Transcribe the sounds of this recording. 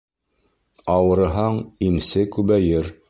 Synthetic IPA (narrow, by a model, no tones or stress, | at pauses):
ɑwɤ̆ɾɤ̆ɦɑɴimsɘkʉβæjɘɾ